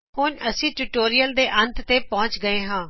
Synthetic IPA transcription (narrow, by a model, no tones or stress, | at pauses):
hʊnəsĩːʈuːʈoːɾijəld̪eːʔənt̪t̪eːpɔ̃ːt͡ʃɡəeːɦãː